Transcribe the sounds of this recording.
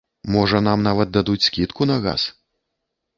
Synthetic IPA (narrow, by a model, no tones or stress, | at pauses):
mɔʐɐn̪amnavɐt̪̚d̪ad̪ut͡sʲskʲit̪kunɐɣa̰s